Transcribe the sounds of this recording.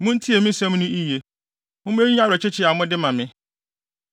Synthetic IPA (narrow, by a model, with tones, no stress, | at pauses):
mʊ̃˦n̩˦tʰi˦e˨mĩ˦sɛ̃˦m˦nʊ̃˦i˦je˨ | mʊ̃˦me˦ɾi˦ã˦ɾɔ˨t͡ɕʰɪ˦t͡ɕʰɪ˦a˨mʊ̃˦dɪ˦mã˨mɪ̃˦